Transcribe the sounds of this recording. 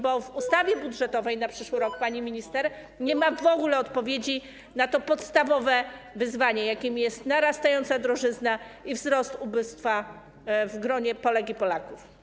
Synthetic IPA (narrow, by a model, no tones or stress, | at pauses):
bɔvust̪avʲjɛbudʐɛt̪ɔvɛjnapʂɘʂwɘɾɔkpaɲimʲiɲist̪ɛɾ | ɲɛmavɔɡulɛɔt̪pɔvʲjed͡ʑi | nat̪ɔpɔt̪st̪avɔvɛvɘzvaɲɛjakʲemʲijɛst̪naɾast̪ajɔnt̪sad̪ɾɔʐɘznaivzɾɔst̪ubɘst̪fa | vɡɾɔɲɛpɔlɛɡʲipɔlakuf